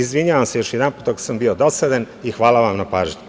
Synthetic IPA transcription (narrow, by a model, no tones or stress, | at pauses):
izʋiɲaʋamsejo̞ʃjɛd̪anpuːt̪oɡosambiod̪o̞sad̪an | ixʋaːlˠaʋamnapaːʒɲu